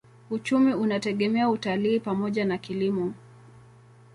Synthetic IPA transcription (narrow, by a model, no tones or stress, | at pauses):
ut͡ʃumiunatɛɠɛmɛautaliːpamɔʄanakilimɔ